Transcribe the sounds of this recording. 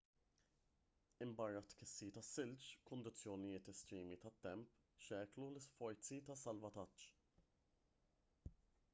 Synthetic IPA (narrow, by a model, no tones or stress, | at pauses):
ɪmbɐrːɐt̪kɪsːit̪ɐsːɪlt͡ʃkʊnd̪ɪt͡sːjɔnɪjɪːt̪ɛst̪ɾiːmit̪ɐt̪ːɛmp | ʃɛːklulɪsfɔɾt͡sit̪ɐsːɐlvɐt̪ɐt͡ʃː